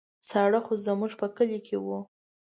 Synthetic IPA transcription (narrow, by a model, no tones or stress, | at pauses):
saɽaxozəmuʐpəkəlikʰewu